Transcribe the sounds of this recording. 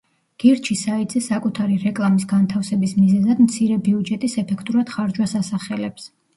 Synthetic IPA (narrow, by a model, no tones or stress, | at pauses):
ɡ̥iɾt͡ʃʰisaid̪zɛsakʼut̪ʰaɾiɾɛkʼlˠamisɡant̪ʰafsɛbismizɛzad̪mt̪sʰiɾɛbiud͡ʒɛt̪ʼisɛpʰɛkʰt̪ʼuɾad̪̥χaɾd͡ʒwasasaχɛlɛps